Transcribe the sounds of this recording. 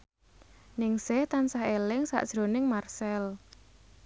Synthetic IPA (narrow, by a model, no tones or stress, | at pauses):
nɪŋsɪht̪ansaɦelɪŋsa̰ʔd̥ʒ̥ɾonɪŋmarsɛl